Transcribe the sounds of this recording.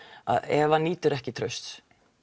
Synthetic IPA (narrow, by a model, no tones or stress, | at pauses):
a̰ðɛvaniːt̪ʏɾɛhcɪt̪ʰɾœɥst̪s